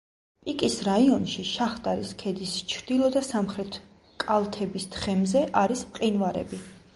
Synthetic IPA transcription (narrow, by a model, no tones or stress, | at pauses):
pʼikʼisɾaiɔnʃiʃaχt̪ʼaɾiskʰɛd̪ist͡ʃʰɾd̪̥ilˠɔd̪asamχɾɛt̪ʰ | kʼalˠt̪ʰɛbisd̪χɛmzɛʔaɾismqʼinvaɾɛ̰bi